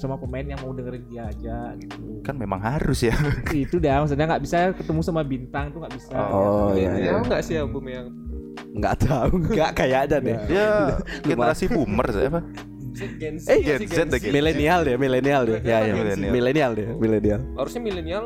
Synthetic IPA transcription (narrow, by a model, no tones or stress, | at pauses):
samakomaɪnjaŋmaudəŋəɾɪndiad͡ʒaɡit̪ukanmemaŋɦaɾʊsjait̪udamas̬anaŋɡaʔbisakət̪əmusamabint̪aŋt̪uŋɡaʔbisaɔjajaŋɡaʔsiabumeaŋ | ŋɡa̰ʔt̪ʰauɡaʔkajaʔdandɛjadduɡemɾasipumərsa̰apa | ɡɛnsɛɡɛnsɛt̪̚dəɡmilenialdɛmilenialdɛjajailnmilenialdɛmilenialhaɾʊsɲamilenial